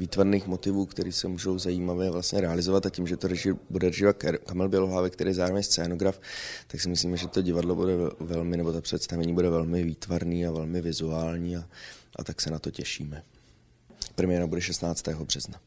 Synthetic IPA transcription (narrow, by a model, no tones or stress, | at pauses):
viːt̪vaɾniːxmo̞t̪ɪvuːkt̪ɛɾiːsɛmuːʒo̞wzajiːmavjɛvlast̪ɲɛɾɛalɪzovat̪acimʒɛt̪oɾɛʒɪbudɛrɛʒɪvat̪kamɛlbjɛloɦlaːvɛkt̪ɛɾiːɛzaːɾvɛɲst͡sɛːnoɡɾaft̪aksɪmɪsliːmɛʒɛt̪o̞ɟɪvadlo̞budɛvɛlmɪnɛbot̪apr̝̥ɛt̪st̪avɛɲiːbudɛvɛlmɪviːt̪vaɾniːavɛlmɪvɪzuaːlɲiːaʔa̰t̪aksɛnat̪o̞cɛʃḭːmɛ | pɾɛmɪjɛɾabudɛʃɛst̪naːt͡st̪ɛːɦo̞br̝̥ɛzna